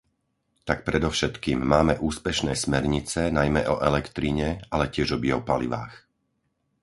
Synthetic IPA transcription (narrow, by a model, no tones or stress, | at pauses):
t̪ak̚pɾɛd̪ɔʊʃɛt̪kiːmːaːmɛʔuːspɛʃnɛːsmɛɾɲit͡sɛnajmɛʔɔʔɛlɛkt̪ɾiɲɛalɛcɪɛʒɔbiɔpalḭʋa̰ːx